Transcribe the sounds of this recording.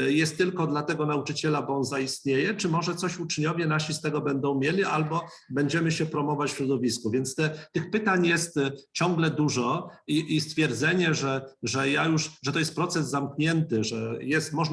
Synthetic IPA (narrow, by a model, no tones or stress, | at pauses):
jɛst̪ːɘlkɔd̪lat̪ɛɡɔnaut͡ʂɘt͡ɕɛlabɔɔnzaist̪ɲejɛt͡ʂɘmɔʐɛt̪sɔɕut͡ʂɲɔvʲjɛnaɕist̪ɛɡɔbɛnd̪ɔ̃w̃mʲjelʲiʔalbɔ | bɛɲd͡ʑɛmɘɕɛpɾɔmɔvat͡ɕfɕɾɔd̪ɔvʲiskuvʲjɛnt̪st̪ɛt̪ɘxpɘt̪aɲjɛst̪t͡ɕɔŋɡlɛd̪uʐɔiʔist̪fʲjɛɾd̪zɛɲɛʐɛʐɛjajuʂʐɛt̪ɔjɛst̪pɾɔt̪sɛzːamkɲɛnt̪ɘʐɛjɛst̪mɔʐ